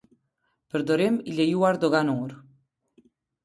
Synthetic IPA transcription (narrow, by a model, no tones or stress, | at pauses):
pəɾd̪oɾemiʎejuaɾd̪oɣanoɾ